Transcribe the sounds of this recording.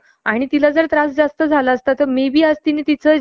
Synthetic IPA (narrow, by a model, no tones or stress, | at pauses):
aɽ̃it̪ilad͡zəɾt̪ɾasd͡zast̪əd͡zʱalaːst̪at̪ːəmebʱiːəst̪init̪it͡sə